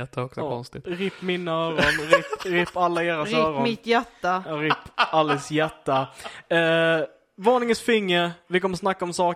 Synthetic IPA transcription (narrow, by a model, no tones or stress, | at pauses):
ɛt̪ʰːaɔksɔkɔ̰nst̪ɪɾɪpːmɪnːaœːɾɔnɾɪpɾɪpːalːaeːɾasɾɪœːɾɔnmɪt̪jæʈːaɾɪpːalːəsjɛʈːa | vɑːɳɪŋənsfɪŋːəɾvɪkɔməsnakːaɔmsɑː